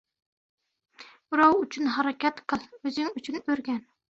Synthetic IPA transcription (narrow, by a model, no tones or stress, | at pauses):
ɾɑwyt͡ʃʰynɦɑɾɑkʲɑt̪qʰəlˠøzɪŋyt͡ʃʰynøɾɡʲɛn